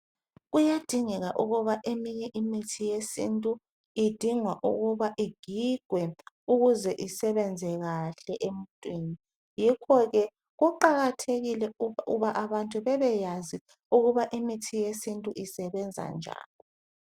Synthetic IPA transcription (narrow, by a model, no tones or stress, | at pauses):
ɣujad̥ʱiŋɛɣaʔuɣuβaʔemiɲɛʔimitʰijesintʼu | id̥ʱiŋwaʔuɣuβaʔiɡ̥ʱiɡ̥ʱwɛ | uɣuzɛʔisɛβɛnd͡zʱɛɣaɬɛʔemuntʼwiːni | jikʰɔɣɛ | ɣuǃaɣatʰeɣilɛuβaʔaβantʼuβɛβɛjazi | uɣuβaʔimitʰijesintʼuʔisɛβɛnd͡zʱa̰nd͡ʒʱa̰ːlɔ